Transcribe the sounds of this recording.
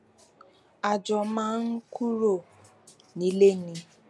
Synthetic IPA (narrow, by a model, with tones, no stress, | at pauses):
a˨d͡ʒɔ˨mãː˦n̩˦ku˦ɾo˦˨ | nĩ˨˦le˦nĩ˧